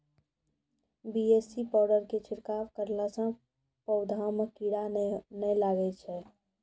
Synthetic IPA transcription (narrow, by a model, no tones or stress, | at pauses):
biesipɔɾɖəɾket͡ʃʰɪɾkaʋkəɾlasə̃ | pəʊd̪ʱãmekiɽanɛjlaɡɛt͡ʃʰɛ